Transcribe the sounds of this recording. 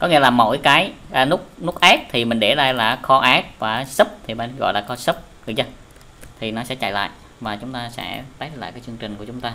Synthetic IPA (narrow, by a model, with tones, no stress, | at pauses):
kɔ˨˦ŋi˧əlaː˨˩mo̰˧˩˨jkaː˨˦jʔəː˨˩nʊ˦˥k̚nʊ˦˥k̚ʔaː˦˥k̚t̪ʰi˨˩mï˨˩ŋ̟ɗe˧˩zaː˧jlaː˨˩xɔ˧ʔaː˨˦˥k̚vaː˨˩sə˦˥p̚t̪ʰi˨˩ɓa˧˨˩n˦ɣɔ̰˧˨jlaː˨˩kɔ˧˦sə˦˥p̚ɗɨ˨˩zə˧ | t̪ʰi˨˩nɔ˨˦sɛ̰˧˥t͡ɕa̰ː˧˨jla̰ː˧˨j | vaː˨˩t͡ɕʊ˨˦ŋ͡mt̪aː˧sɛ̰˧˥t̪aː˨˦jla̰ː˧˨kaː˨˦jt͡ɕɨ˧əŋt͡ɕï˨˩ŋ̟ku˧˩ət͡ɕʊ˨˦ŋ͡mt̪aː˧